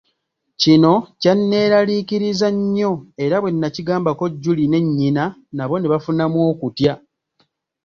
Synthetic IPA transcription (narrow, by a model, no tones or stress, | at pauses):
cino̞canːe̞ːɾaliːciɾizaɲːo̞e̞ɾaβwe̞nːaciɡaːmbako̞ɟːuline̞ɲːinanaβo̞ne̞βafunamwo̞ːkutja